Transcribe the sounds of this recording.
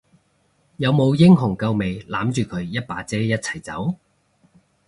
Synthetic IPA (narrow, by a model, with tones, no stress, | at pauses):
jɐ˨˧wmo˨˧wjɪ˥ŋɦʊ˨˩ŋkɐ˧wme˨˧jlaː˨˥mt͡ʃyː˨kʰɵ˨˧ɥjɐ˥t̚paː˨˥t͡sɛː˥jɐ˥t̚t͡sʰɐ̥˨˩jt͡sɐ˨˥w